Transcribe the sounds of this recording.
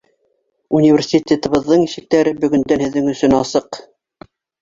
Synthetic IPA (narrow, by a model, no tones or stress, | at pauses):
unʲivʲɪrʲsʲit̪ʲet̪ɤ̆βɤ̆ðːɤɴiʃɘ̆k̚t̪æɾɘbɵ̆ɡɵ̆nd̪ænhɘ̆ðːɘŋɵ̆sɵnɑsɤq